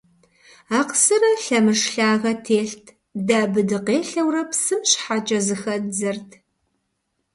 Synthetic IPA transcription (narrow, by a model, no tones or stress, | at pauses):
aːqsɨrɐɬɐmɨʂɬaːʁɐtʰeːɬtʰ | daːbɨdɨqeːɬɐwrɐpsɨmɕħat͡ʃʼɐzɨxɐd͡zɐrtʰ